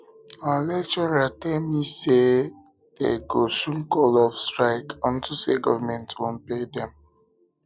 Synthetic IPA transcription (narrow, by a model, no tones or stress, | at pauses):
alɛk̚t͡ʃɔɹatɛlmise | d̥ḛɡosũŋkɔlɔfstɹaɪkɔ̃ntuseɡɔvamɛ̃ntwõnpedɛ̃m